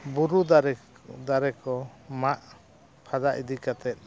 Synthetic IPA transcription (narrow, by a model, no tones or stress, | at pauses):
buɾud̪aɾ | d̪aɾɛkɔmaʔ | pʰad̪aʔid̪ikat̪ɛt̪̚ˀ